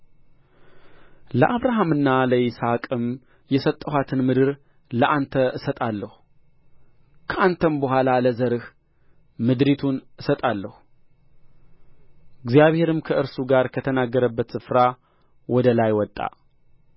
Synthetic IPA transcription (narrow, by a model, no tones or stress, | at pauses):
ləʔaβɾaɦamɨnːaləisakʼɨm | jɛsət̪ʼːəhat̪ʰɨnmɨd̪ɨɾ | ləʔant̪ʰəʔɨsət̪ʼalːəhu | kʰəʔant̪ʰənbəhʷalaləzəɾɨh | mɨd̪ɾit̪ʰunɨsət̪ʼalːəhu | ɪɡzjaβhe̞ɾɨmkʰəʔɨɾsuɡaɾkʰət̪ʰənaɡːəɾəbːət̪sɨfɾa | wɔd̪əlajwɔt̪ʼːa̰